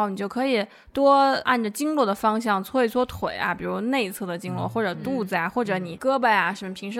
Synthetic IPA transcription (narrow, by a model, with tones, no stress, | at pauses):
ʊni˨˩t͡ɕjo˥˩ʊkʰɤ˧˥i˨˩ | t̪wɔ˥a̰˥˩nʈ͡ʂə˩t͡ɕi˥ŋlwɔ˥˩d̪ə˩fɑ˥ŋɕjɑ˥˩ŋt͡sʰwɔ˥i˧˥t͡sʰwɔ˥t̪ʰwe˨˩ɪɐ̰˧pi˨˩ɻu˧˥ne˥˧ɪt͡sʰɤ˥˩d̪ə˩t͡ɕi˥ŋlwɔ̰˥˩xwɔ˥˩ʈ͡ʂɤ˨˩t̪u˥˩t͡sa˥˩ɪxwɔ˥˩ʈ͡ʂɤ˧˥ni˨˩˦kɤ˥bə˧˩ja˩ʂə˧˥mə˧pʰi˧˥ŋʂɻ̩˧˥